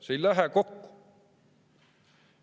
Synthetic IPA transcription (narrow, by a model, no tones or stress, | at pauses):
sejlæɦækokːu̥